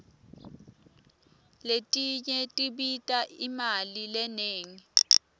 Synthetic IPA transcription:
letʼiɲɛtʼiɓitʼaʔimalilɛneːŋi

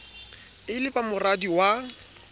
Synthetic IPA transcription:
ɪlɪpamʊradiwa

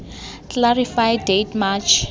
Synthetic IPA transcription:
klaɹifajdetmat͡ʃʰ

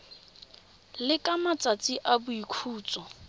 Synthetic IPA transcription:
lɪkʼamat͡sʼat͡sʼiʔabʊikʰuːt͡sʼɔ

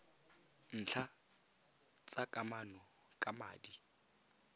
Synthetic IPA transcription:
n̩ːt͡ɬʰa | t͡sʼakʼamanɔ | kʼama̰ːdi

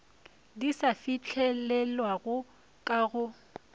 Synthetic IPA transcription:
disafit͡ɬʰɛlɛlwaɣʊ | kʼaɣʊ

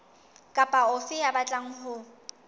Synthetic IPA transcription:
kʼapʼaʊfɪjabat͡ɬʼaŋ̩ɦʊ

